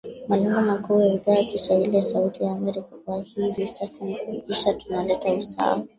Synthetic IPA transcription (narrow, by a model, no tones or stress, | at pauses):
malɛŋɡɔmakuːjaiðaːjakistwahilijasautijaːmɛɾikakuahiːvisasanikukikiʃatunalɛtausaaa̰wa